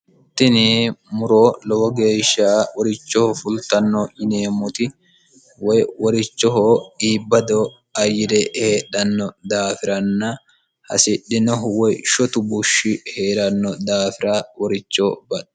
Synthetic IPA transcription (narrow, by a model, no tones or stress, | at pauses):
t̪ːɪnɪmʊɾoːlɔwɔɡe̞ːʃːaːwɔɾɪt͡ʃːɔhɔfʊlt̪ɐnːɔʔɪneːmʊt̪ɪ | wɔjwɔɾɪt͡ʃːɔhɔiːbːɐd̪ɔ | ɐjɪd̪ɛheːᶑɐnːɔd̪aːfɪɾɐnːɐ | hɐ̰sɪɗːɪnɔɦʊwɔjʃɔt̪ʊbʊʃːɪhe̞ːɾɐnːɔd̪aːfɪɾaːwɔɾɪt͡ʃːoːbɐᶑ